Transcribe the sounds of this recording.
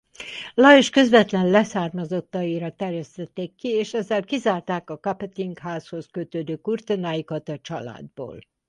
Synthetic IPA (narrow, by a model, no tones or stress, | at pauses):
lɒeʃkø̞zvɛt̪lɛnlɛsaːrmɒzo̞t̪ːɒiɾɒt̪ɛrjɛst̪ɛt̪ːeːkːieːʃɛzːɛlkizaːrt̪aːkɒkɒpɛt̪iŋkhaːsho̞skøt̪øːd̪øːkurt̪onaːjikɒt̪ɒt͡ʃɒla̰ːd̪bo̰ːl